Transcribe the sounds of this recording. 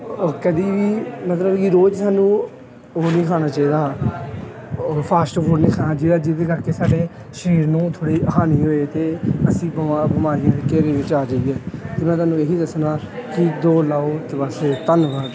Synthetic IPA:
ɔɾkəd̪iːʋiːmət̪ləbkiɾoːd͡ʒsaːnũː | oːnĩːkʰaːñaːt͡ʃaːiːd̪aː | pʰaːsʈboːɖniːkʰaːnaːd͡ʒeːɽaːd͡ʒɪd̪eːkəɾkeːsaːɖeː | ʃɾiːɾnũːt̪ʰoːɽeːəɦaːniːɦoːeːt̪eːəsĩːbəmabɪmaːɾiːãːekeːɾeːʋɪt͡ʃaːd͡ʒəiːɛːt̪eːmɛ̃ːt̪̬aːnũːeːɦiːd̪əsnaː | kɪd̪oːlaːoːt̪eːbəst̪ənʋə

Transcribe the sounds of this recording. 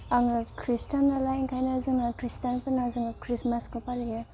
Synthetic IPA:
aŋɡakɾistanːalajŋkʰajnazɯŋakɾistanpɯnazɯŋakɾismaskɔpalɡe

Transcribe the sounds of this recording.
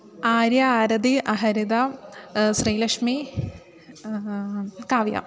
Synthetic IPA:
aːɾjɐːɾɐd̪iʔɐɦɐɾid̪ɐ | sriːlɐkʂmi | kaːʋjɐ̰

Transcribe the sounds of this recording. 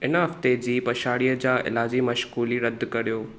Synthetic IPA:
ɪnɦɐft̪ed͡ʑiːpɐʃaːɽijəd͡ʑaːʔɪ̰laːd͡ʑimɐʃkuːliɾɐd̪kɐɾijoː

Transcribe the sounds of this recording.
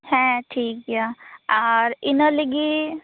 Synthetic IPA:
hɛ̃ʈʰiːkɦijaaːɾɪnəliɡi

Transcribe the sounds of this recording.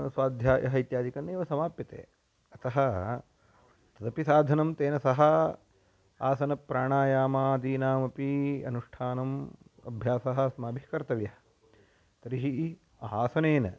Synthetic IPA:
sʋaːd̪ʱjaːjɐ̰ɦɐit̪jaːd̪ikɐnːeːʋɐsɐmaːpjɐt̪ḛː | ɐt̪ɐɦɐ̆ | t̪ɐd̪ɐpisaːd̪ʱɐnɐmt̪eːnɐsɐɦɐ | aːsɐnɐpːɾaːɳaːjaːmaːd̪iːnaːmɐpiɐ̰nuʂʈʰaːnɐmɐ̰bʱjaːsɐɦɐ̆smaːbʱikɐɾt̪ɐʋjɐɦɐ | t̪ɐɾiɦi | aːsɐneːnɐ

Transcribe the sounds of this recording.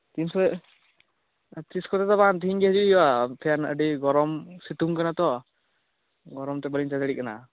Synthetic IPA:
t̪insɛ | t̪ɾiskɔt̪ɛt̪abant̪iiŋɡɛɦd͡ʒujap̪ʰɛjanə̰ɖiɡɔɾɔmsit̪uŋkanat̪ɔ | ɡɔɾɔmt̪ɛbəliɲt͡ʃad̪aɽiʔ̚ana̰

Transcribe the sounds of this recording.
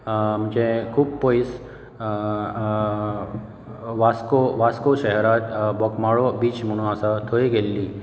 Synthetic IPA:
m̤əɳd͡ʑekʰuːb̚pois | ʋaskoʋaskoɕɛɦɛɾat̪bɔkmaɭobiːt͡ɕm̤əɽ̃ũasat̪ʰoeɡelːiː

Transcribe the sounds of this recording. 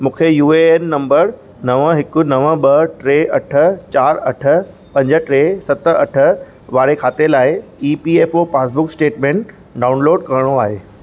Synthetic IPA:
mũːkʰejuːeenːɐ̃mbəɾ | nɐʋəɦɪkʊ̆nɐʋə̃ɓɐʈɾeːʔɐʈʰə̆t͡ɕaːɾɐʈʰə̆ | pɐ̃ɲd͡ʑəʈɾeːsɐt̪ə̆ɐʈʰə̆ | ʋaːɾekʰaːt̪elaːɪiːpiːeːfopaːsbʊksʈeːʈmẽːɳʈ | ɖaːʊnloːɖkɐɾɪɽ̃oaːɦeː

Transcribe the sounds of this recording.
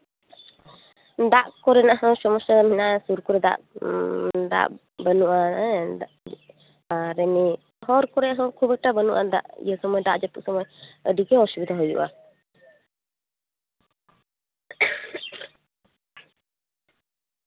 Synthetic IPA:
d̪aʔkɔɾɛnaʔɦɔ̃sɔmɔsaminaʔsuɾkuɾɛd̪a̰ʔ | d̪a̰ʔ | bənuʔaɛda | aɾɛni | ɦɔɾkɔɾɛaɦɔ̃kʰubɛʈabənuʔa̰d̪a̰ʔjəsɔmɔjd̪aʔd͡ʒat̪ṵʔsɔmɔjəɖiɡɛɔsbid̪aɦɔjṵʔa̰

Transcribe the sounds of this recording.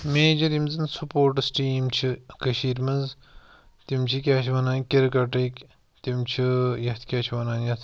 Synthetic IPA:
meːd͡ʒɐɾimzɨnsupoːɾʈsʈiːmt͡ʃʰikɐʃiːɾmɐz | t̪imt͡ʃʰikʲaːʃʋɐnaːnkʲiɾkɐʈik | t̪imt͡ʃʰijɐt̪ʰkʲaːt͡ʃʰʋɐnaːnjɐt̪ʰ

